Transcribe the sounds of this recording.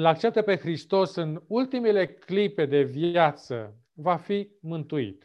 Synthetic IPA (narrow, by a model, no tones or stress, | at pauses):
lak̚t͡ʃe̞p̚t̪əpe̞xɾist̪o̞sɨnult̪imele̞klipe̞d̪e̞vjat̪sə̰ | vafimɨnt̪uḭt̪